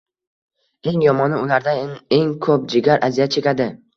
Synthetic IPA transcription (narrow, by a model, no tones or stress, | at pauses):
e̞ŋjɒmɒnɪʊlaɾd̪ae̞ŋkʰɵp̚d͡ʒɪɡʲaɾʔazijat͡ʃʰe̞kʲad̪ɪ